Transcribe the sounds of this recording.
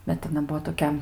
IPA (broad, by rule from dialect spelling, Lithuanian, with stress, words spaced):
ˈbʲɛt ɐˈnɐ ˈbuɔ toːˈkʲɛ